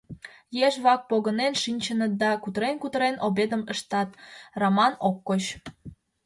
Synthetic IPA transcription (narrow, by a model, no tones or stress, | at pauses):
jeʃβɑk̚poɣənenʃinʲt͡ɕənət̪̚d̪ɑkut̪əɾenkut̪əɾenobed̪əməʃt̪ɑt̪romɑnokːot͡ɕ